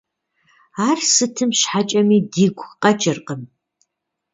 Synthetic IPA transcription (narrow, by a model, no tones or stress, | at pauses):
aːrsɨtʰɨmɕħat͡ʃʼɐmiːdiːɡʷqʼɐt͡ʃʼɪrqəm